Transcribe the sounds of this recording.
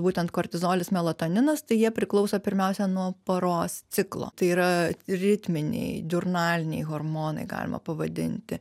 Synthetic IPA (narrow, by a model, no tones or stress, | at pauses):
buːt̪ʲɛnt̪koːɾʲt̪ʲɪzoːlʲɪsmʲɛlˠɐt̪onʲɪnɐst̪ɐɪjiɛpʲɾʲɪklˠɒʊsoːpʲɪɾʲmʲɛʊsʲɛnuɔpɐɾoːssʲɪklˠo̰ːt̪ɐɪiːɾɐɾʲɪt̪ʲmʲɪnʲɛ̰ɪdʲʊrnɑːlʲɪnʲɛ̰ɪɣormoːnɐ̰ɪɡɑ̰ːlʲɪmɐ̰pɐʋɐd̪ʲɪ̰nʲt̪ʲɪ